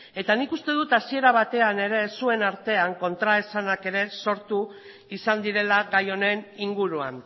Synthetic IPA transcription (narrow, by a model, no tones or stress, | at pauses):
e̞t̪anikust̪e̞ðut̪asie̞ɾaβ̞at̪e̞ane̞ɾe̞sue̞naɾt̪e̞aŋko̞nt̪ɾaesanake̞ɾe̞so̞ɾt̪u | isand̪iɾe̞laɣajo̞ne̞niŋɡuɾua̰n